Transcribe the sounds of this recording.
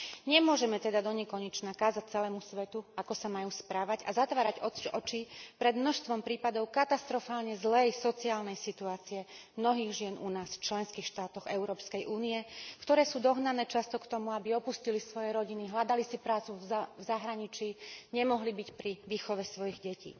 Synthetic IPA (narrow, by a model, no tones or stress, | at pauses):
ɲɛmʊɔʒɛmɛt̪ɛd̪ad̪ɔɲɛkɔɲɛt͡ʃnakaːzac̚t͡sɛlɛːmusʋɛt̪uakɔsamajuːspɾaːʋaɟa̰zat̪ʋaːɾaɟɔɔt͡ʃipɾɛd̪mnɔʃst̪ʋɔmpɾiːpad̪ɔʊkat̪ast̪ɾɔfaːlɲɛzlɛjsɔt͡siaːlnɛjsit̪uaːt͡siɛmnɔɦiːɣʒɪɛnʔunaːsft͡ʃlɛnskiːxʃt̪aːt̪ɔɣɛʊɾɔːpskɛjʔuːniɛkt̪ɔɾɛːsuːd̪ɔɦnanɛːt͡ʃast̪ɔkt̪ɔmuabiɔpuscilisʋɔjɛɾɔɟiniɦlad̪alisipɾaːt͡suvvzaɦɾaɲit͡ʃːɲɛmɔɦlibicpɾiʋiːxɔʋɛsʋɔjiɣɟɛcḭː